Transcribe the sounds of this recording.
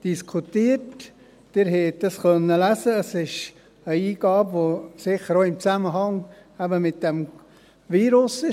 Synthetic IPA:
d̥iskʰutiːət | d̥ɪɾɦɛt̚d̥ɑskœnːəlæsəəsɪʃ | əiːɡ̥ɑːbʋoːsɪχəɾoːɪmt͡sæməɦɑŋ | æbəmɪt̚d̥ɛm | ʋiːɾʊsɪ

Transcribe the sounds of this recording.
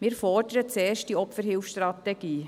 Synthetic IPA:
mɪɾfɔɾdəɾət͡sɛːɾʃt̚d̥iɔpfəɾɦɪlfsʃtrɑt̪ɛɡ̥iː

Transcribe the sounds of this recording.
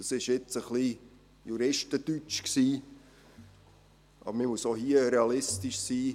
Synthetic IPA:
ɑsɪʃjɪt͡səχli | juɾɪʃtətyt͡ʃksiː | ʔɑ̰bəɾmɪmuəsoɦiəɾɛɑlɪstiʃsiː

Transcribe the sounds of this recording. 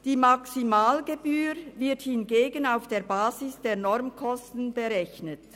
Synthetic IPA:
d̥iːmɑksimaːlɡebyːɾvɪɐthɪnɡeːɡənaʊfd̥eːɐbaːzɪsd̥eːɐnɔɾmkʰɔstn̩bəʁɛçnət

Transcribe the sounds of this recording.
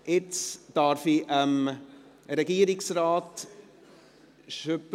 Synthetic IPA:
ʔɪt͡sd̥ɑɾfiʔəm | ɾɛɡiːəɾɪksɾaːt | ʃøp

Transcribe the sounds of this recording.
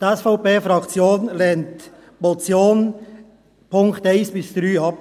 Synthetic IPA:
d̪ɛsfaʊpeːfɾɑkt͡sjoːnlɛːnt | mɔt͡sjoːn | pʰʊŋkt̪aɪnsbɪsd̪̥ɾyːɑp

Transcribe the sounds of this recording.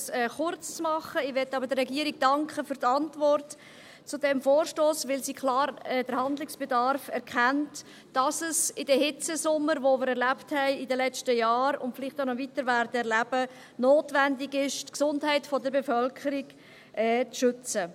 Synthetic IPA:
sɛχʊrt͡st͡smɑχəɪʋɛtːɑbəɾdəːɛɡiːɾɪɡ̚d̥ɑŋkχəfyːɾtɑntvɔrt | t͡sudɛmfoːɾʃtoːsʋɪlsiːkʰlɑːɾɛd̥əɾhɑnd̪lɪksb̥edɑɾfɛɾkχænt | d̥ɑsəsɪdɛhɪt͡səsʊmːəɾʋomɪːɾɛɾlæpthɛɪɪdəlɛt͡ʃtəjɑːɾʊ̰ntfɪlɪχtaʊnɔvitəɾvæɾdəɛɾlæb̥ə | noːtvændɪɡɪʃtksʊndɦɛɪtfɔdəɾbefœlkʰəɾɪɡ | ʔɛːt͡sʃʏt͡sə

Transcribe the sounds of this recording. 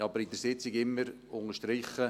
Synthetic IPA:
ɑbəɾɪdəɾsɪt͡sɪɡɪmːəɾ | ʊŋəʃtɾɪχə

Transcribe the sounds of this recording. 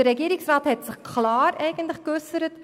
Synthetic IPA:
əɾɛɡiːɾɪksrɑːthɛtsɪχkʰlɑːɾɛɪɡən̩tləχkʏsəɾət

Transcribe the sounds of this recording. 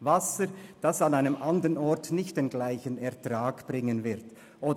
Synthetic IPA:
vasəd̥asanaɪnəmʔandəʁənɔɹtnɪçt̚d̥eːnɡlaɪçənɛɐtʁ̥aːɡb̥ʁɪŋənvɪʁt | ʔoː

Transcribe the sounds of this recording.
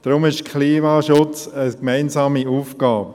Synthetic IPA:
d̥ɾʊmɪʃkʰliːmaːʃʊt͡səkmaɪnsɑːmiuːfɡ̥aːp̚

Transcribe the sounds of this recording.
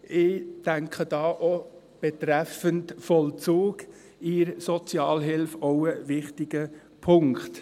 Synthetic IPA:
ɪːd̥æŋkχəd̥ɑːʔo | b̥ɛtɾæfəntfɔlt͡suːɡ | ɪɾsɔt͡sjɑːlɦɪlfɔʊəvɪχtɪɡ̥ə | pʰʊŋkχt

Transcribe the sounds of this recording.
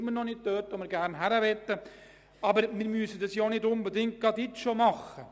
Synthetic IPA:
mənɔnɪt̚tøːtomɪɾɡæɾnɦæɾəʋɛtːə | ɑbəɾmɪɾmyəsədɑsjoːnɪdʊnbədɪŋt̚ɡ̥ɑdɪʃomɑχːə

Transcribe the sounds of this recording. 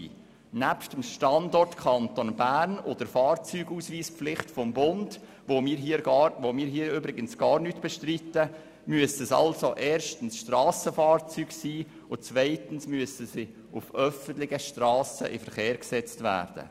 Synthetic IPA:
næpʃtəmʃtɑndɔrtkʰɑntonbæːɾnod̥əɾfɑːrt͡syːɡuːsʋiːspflɪχtfɔmbʊnd | vomɪːɾɦiːəʋomiːɾɦiːɾøbɾɪɡənsɡ̥ɑːɾnyːtb̥ɛʃtritə | myəsəsɑ̰lsoʔɛːɾʃtən̩sʃtrɑːsəfɑːrt͡syːɡsiː | ʊt͡svaɪtən̩smyəsəsi | ʊfœfənt̪lɪɡəʃtrɑːsə̰ʔɪ̰fəɾχeːɾksɛt͡stvæ̰ːrd̥ə̰

